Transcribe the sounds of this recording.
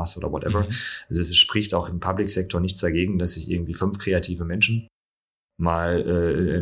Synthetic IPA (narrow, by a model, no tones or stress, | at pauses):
asʔoːdɐ̰vɔtʔɛ̰vɐʔʔalzoɛsʃpʁ̥ɪçtaʊxɪmpʰablɪkz̥ɛk̚tʰoːɐnɪçt͡sd̥aɡeːɡŋ̩dasz̥ɪçɪɐɡŋ̩tv̥iːfʏnfkʁ̥eːatʰiːvəmɛnʃn̩ | maːlʔɛː